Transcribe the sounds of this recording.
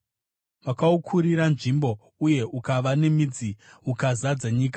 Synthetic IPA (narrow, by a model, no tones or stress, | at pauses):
makaukʰuɾiɾanʐimbo̞ | uje̞ʔukaʋane̞mid͡ziukazad͡zaɲiːk̬ḁ